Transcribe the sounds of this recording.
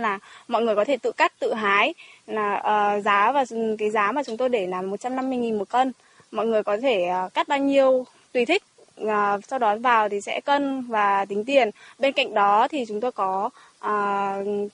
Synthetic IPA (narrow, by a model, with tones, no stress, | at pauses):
laː˨˩mɔ̰˧˨jŋɨ˨˩əjkɔ˨˦t̪ʰe˧˩t̪ɨ̰˧˨ka˦˥jk̚t̪ɨ̰˧˨ɦaː˨˦jaː˨˩ʔəː˨˩zaː˨˦vaː˨˩kaː˨˦jzaː˨˦maː˨˩t͡ɕʊ˨˦ŋ͡mt̪o˧jɗe˧˩naː˨˩mːo˨˩t̚t͡ɕa˧mna˧mːɨ˧əjŋi˨˩nmo˨˩t̚kə˧n | mɔ̰˧˨jŋɨ˨˩əjkɔ˨˦t̪ʰeː˧˩˨ka˦˥t̚ɓaː˧wɲi˧əw | t̪wi˧˩t̪ʰi˦˥k̟̚ | əː˨˩sa˧wɗɔ˨˦vaː˨˩wt̪ʰi˨˩sɛ̰˧˥kə˧nvaː˨˩t̪ï˨˦ŋ̟t̪i˨˩ənɓe˧nka̰˧˨jŋ̟ɗɔ˨˦t̪ʰi˨˩t͡ɕʊ˨˦ŋ͡mt̪o˧jkɔ˨˦ | ʔəː˨˩